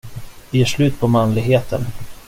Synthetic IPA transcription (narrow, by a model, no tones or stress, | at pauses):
vɪjeːʂlʉ̟ːt̪̚pʰɔmanlɪɡɦeːt̪ʰə̰n